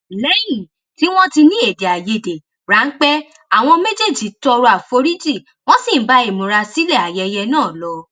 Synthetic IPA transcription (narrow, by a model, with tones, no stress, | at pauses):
lɛ˦jĩ˦˨ | ti˦w̃ɔ̃˦ti˧nĩ˦e˦˨de˨a˨je˧˨de˨ | ɾa˨˦n̩˦k͡pɛ˦ | a˦˨w̃ɔ̃˧me˦d͡ʒe˦˨d͡ʒi˨˦tɔ˧ɾu˧˦a˨fo˧˦ɾi˦d͡ʒi˦˨ | w̃ɔ̃˦sĩ˦˨˦ba˧˦e˨mũ˨ɾa˧si˦lɛ˦˨a˨jɛ˧jɛ˧nãː˦˨lɔ˨˦